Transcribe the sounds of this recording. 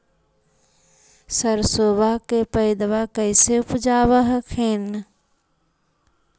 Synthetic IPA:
səɾsoːbakepəɪd̪ʋakəɪseʊpd͡ʒaːʋəɦkʰeːn

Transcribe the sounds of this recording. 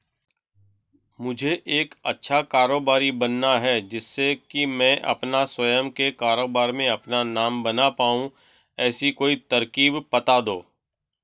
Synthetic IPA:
mʊd͡ʒʱeʔeːkɐ̰tːʃʰakaːɾoːbaːɾibɐnːaɦɛd͡ʒɪsːekimɛ̃ʔɐ̰pnaswɐjəmkekaːɾoːbaːɾmẽɐpnanaːmbɐnapaːũ | ɛːsikoːit̪ɐɾkiːbpɐt̪ad̪oː

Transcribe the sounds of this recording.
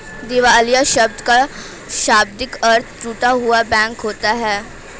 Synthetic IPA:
d̪ɪʋaːlijaʃɐb̚d̪ka | ʃaːb̚d̪ɪkɐɾt̪ʰt͡ʃuːʈaɦʊabɛ̃ːŋkɦoːt̪aɦɛː

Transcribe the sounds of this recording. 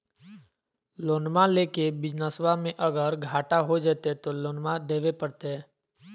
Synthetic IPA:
loːnmaleːkebɪd͡ʒnəswamẽʔəɡəɾɡʱaːʈaɦod͡ʒaːt̪et̪oloːnmad̪eːʋepəɽt̪eɦɛ̃ː

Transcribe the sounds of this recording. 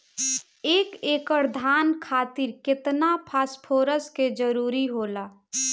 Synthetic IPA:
eːkeːkəɾd̪ʱaːnkʰaːt̪ɪɾkɪt̪napʰaːspʰoːɾəsked͡ʒəɾuːɾiɦoːlaː

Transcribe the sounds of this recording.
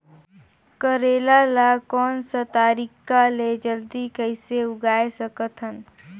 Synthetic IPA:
kəɾeːlalakɔːnsət̪aːɾikːaled͡ʒəld̪ikəɪseʊɡaːesəkət̪ʰɦən

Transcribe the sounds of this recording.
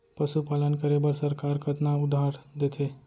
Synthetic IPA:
pəʃupalənkəɾebəɾsəɾkaːɾkʰət̪naʊd̪ʱaɾd̪et̪ʰe

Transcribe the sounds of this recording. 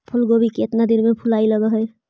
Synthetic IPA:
pʰulɡobʱikiet̪nad̪inmẽpʰulaːiləɡəɦəj

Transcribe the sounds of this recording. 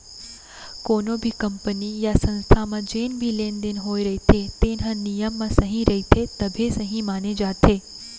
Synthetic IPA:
koːnobʱikəmpənijasə̃nst̪ʰamãd͡ʒeːnbʱileːnd̪ɪnɦoːiɾɐɦit̪ʰet̪eːnɦãnijəmːãsəɦĩɾɐɦit̪ʰet̪ɐbʱesəɦĩmaːned͡ʒaːt̪ʰeː

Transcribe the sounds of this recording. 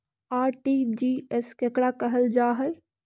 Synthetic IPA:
aːʈid͡ʒiɛskekɽakəɦəld͡ʒaɦəj

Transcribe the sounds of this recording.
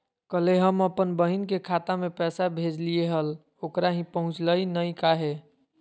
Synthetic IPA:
kəleɦəməpənbəɦinkekʰat̪amepɛsabʱed͡ʒlieɦəl | okɾaɦĩpəɦũt͡ʃləinəjkaɦe

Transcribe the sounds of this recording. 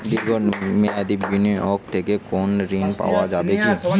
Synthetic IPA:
d̪ɪlɡomẽɐd̪ibinẽɔːkt̪ʰeːkekɔːnɾiːnpa̰ːʋad͡ʒaːbekiũ

